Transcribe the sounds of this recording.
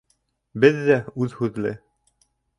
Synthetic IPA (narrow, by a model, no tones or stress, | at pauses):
bɘðːæʉðhʉðlɘ̰